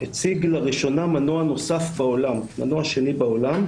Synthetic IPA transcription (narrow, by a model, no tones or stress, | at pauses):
het͡siɡlaʁiʃo̞namanoano̞safbaolamma̰noaʃe̞nibao̞lam